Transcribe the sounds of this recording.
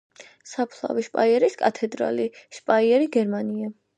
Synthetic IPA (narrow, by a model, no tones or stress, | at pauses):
sapʰlˠa̰viʃpʼaiɛɾiskʼat̪ʰɛd̪ɾa̰liʃpʼaiɛɾiɡɛɾmania